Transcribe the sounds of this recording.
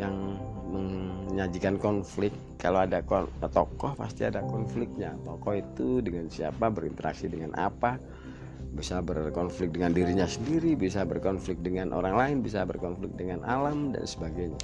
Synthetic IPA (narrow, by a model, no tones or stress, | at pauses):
jaŋməŋɲad͡ʒikankɔnflɪk̪ | kaloadakɔt̪ɔkɔhpa̰st̪iadakɔnflɪk̚t̪̚ɲa̰t̪ɔkɔit̪udəŋansiapabəɾḭnt̪əɾa̰ksidəŋanʔa̰pa | bisabərkɔnflɪk̚dəŋandiɾiɲasəndiɾibisabərkɔnflɪk̚dəŋanʔo̰ɾaŋlaɪnbisabərkɔnflɪk̚dəŋanʔalamda̰nsəbaɡajɲa̰